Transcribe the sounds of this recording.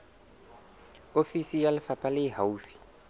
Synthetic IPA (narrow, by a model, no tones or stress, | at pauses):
ofisijalɪfapʼalɪɦauːfi̥